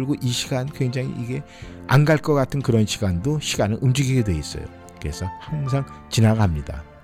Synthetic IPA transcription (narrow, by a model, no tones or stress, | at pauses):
ɭɡoʔiɕʰiɡankwe̞ŋd͡ʑaŋḭʔiɡe̞ | a̰nɡaɭk͈ʌk͈atʰɯnkɯɾʌnɕiɡandoɕʰiɡanɯnʔɯmd͡ʑiɡiɡe̞dwe̞is͈ʌ̰jo̰ | kɯɾe̞̰sʰʌhaŋs̬ʰaŋ | t͡ɕinaɡamɲida̰